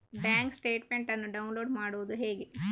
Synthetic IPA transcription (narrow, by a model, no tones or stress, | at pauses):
bjaːŋksʈe̞ːʈme̞ɳʈɐnːuɖɐunloːɖmaːɽuʋud̪uɦeːɡe